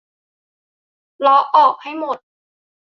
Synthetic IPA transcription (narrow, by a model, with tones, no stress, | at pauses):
lɔː˨˦˥ʔɔː˨˩k̚ha˥˩jmo˨˩t̪̚